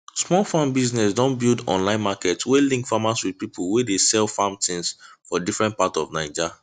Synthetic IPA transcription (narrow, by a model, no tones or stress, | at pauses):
smɔlˠfãmbiznɛsdɔ̃nbilˠdɔ̰̃nlãɪ̃nmakɛtswelĩŋktfamaswid̚pipʰulˠwedesɛlfãmtĩŋsfɔdifɹɛ̃nt̚patsɔvnaɪd͡ʒa